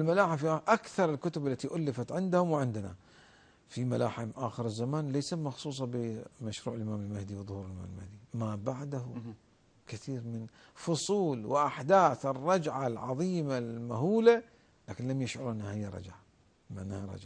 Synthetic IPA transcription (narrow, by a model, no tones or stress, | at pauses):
lmalaːħɪfʔakθɑɾˤɪlkʊt̪ʊbalːat̪iʔʊlːɪfat̪ʕɪnd̪hʊmwɪʕɪnd̪na̰ | fimalaːħɪmʔaːxɪɾɪzːamaːnlejsamɑxsˤuːs̬ˤɑbɪmaʃɾuːʕɪlʔɪmaːmɪlmahd̪iwɨðˤhuːɾɪlʔɪma̰ːmlmahd̪imabaʕd̪ahʊ | kɪθiːɾmɪnfʊsˤuːlwɪʔaħd̪aːθɪrˤːɑd͡ʒʕalʕɑ̰ðˤiːmalmaɦuːla | laːkɪnlamjɪʃʕʊɾʔɪnːahɪjːaɾˤɑ̰d͡ʒʕa | maʕnːahaɾˤɑ̰d͡ʒʕa